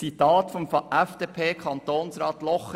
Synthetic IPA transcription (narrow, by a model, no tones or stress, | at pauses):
t͡sit̪ɑːt̪fɔmfɑʔɛfd̥eːpʰeːkʰɑnt̪oːnsɾɑːt̪lɔχ